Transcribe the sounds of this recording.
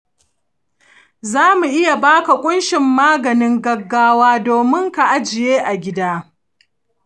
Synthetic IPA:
zaː˦mu˨ʔɪ˦ja˨baː˦ka˨kʷʼʊ˦nʃɪ˨mːaː˦ɡɐ˨nɪ˦ŋɡɐ˦ɡːaː˦waː˦doː˨mɪ˦ŋka˨ʔa˦d͡ʒɪ˨jeː˦ʔa˨ɡʲɪ˦daː˦

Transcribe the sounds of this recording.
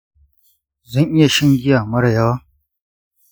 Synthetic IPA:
zɐ˦˨ŋʔɪ˦ja˨ʃɪ˦ŋɡʲɪ˦jaː˨mɐ˦ɽɐ˨ja˦wa˦

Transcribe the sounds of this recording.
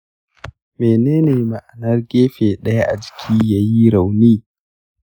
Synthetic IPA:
meː˨neː˦neː˨ma˨ʔa˨nɐ˦rɡʲeː˦ɸeː˨ɗɐ˦ja˦ʔa̰˨d͡ʒɪ̥˨kʲʰiː˦jaː˦ji˦ɾa˨wniː˦

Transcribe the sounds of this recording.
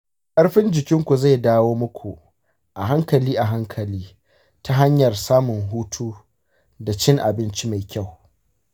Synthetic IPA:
kʼɐ˦ɽɸɪ˦nd͡ʒɪ˨kʲɪ˦ŋkʷu˨za˦˨jdaː˦woː˦mʊ˦kʷʰu˨ | ʔa˨ɦa˦ŋkɐ˨liː˦ʔa˨ɦa˦ŋkʰɐ˨liː˦ | ta˦ɦa˦ɲjɐ˨rsaː˦mʊ˨ŋɦuː˦tʰuː˦ | da˨t͡ʃɪ˦ŋʔa˨bɪ˦nt͡ʃi˦ma˨jkʲa˦˨w

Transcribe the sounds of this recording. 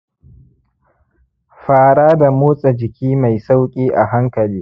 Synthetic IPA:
ɸaː˦ɽaː˦da˨moː˦sʼa˨d͡ʒɪ˨kʲiː˦ma˨jsa˦wkʲʼiː˦ʔa˨ɦa˦ŋkɐ˨liː˦

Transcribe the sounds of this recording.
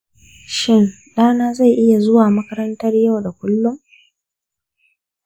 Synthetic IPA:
ʃɪ˦˨n | ɗaː˦naː˦za˦˨jʔɪ˦ja˨zʊ˦waː˨mɐ˦kɐ˦ɾɐ˦ntɐ˦rja˦˨wda˨kʷʊ˦lːʊ˦m

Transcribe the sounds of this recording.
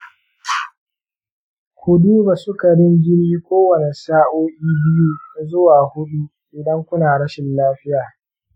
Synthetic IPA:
kʰʷʊ˨du˦ba˨sʊ˦ka˨ɽɪ˦ŋɡʲɪ˦niː˦kʷoː˦wɐ˨ne˨saː˦ʔoː˦ʔʲiː˦bɪ˦juː˦˨zʊ˦waː˨hʊ˦ɗu˦ʔɪ˨dɐ˦ŋkʷʊ˦naː˨ɽɐ˦ʃɪ˨nlaː˦ɸɪ˦jaː˨

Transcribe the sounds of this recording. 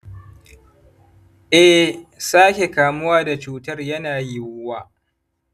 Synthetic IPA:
ʔɛ˦saː˦kʲe˨kaː˨mʊ˦waː˦da˨t͡ʃuː˦tɐ˦rjɐ˦naː˨jɪ˦wʊ˦waː˦˨

